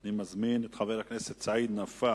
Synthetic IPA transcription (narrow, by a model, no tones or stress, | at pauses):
nimazminɛt̪χavɛɾaknɛsɛt̪t͡said̪nafa